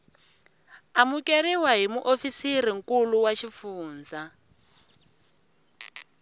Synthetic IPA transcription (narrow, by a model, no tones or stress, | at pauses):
amukeriwaɦimuʔofisiriŋ̩kuluwaʃifuːnd͡za